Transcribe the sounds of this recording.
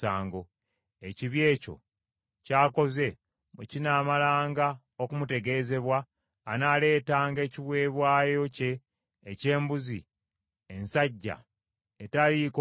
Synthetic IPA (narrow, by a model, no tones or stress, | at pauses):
aːŋɡo̞ | eciβje̞ːco̞̰ | caːko̞ze̞ | mucinaːmalaːŋɡa | okumute̞ɡe̞ze̞βwaː | naːle̞ːtaːŋɡe̞ːciβwe̞ːβwaːjoce̞ː | ce̞ːmbuzi | ensaɟːa̰ | etalik